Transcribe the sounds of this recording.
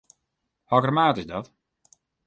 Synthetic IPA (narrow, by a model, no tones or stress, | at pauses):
hɔɡramaːtɪsdɔt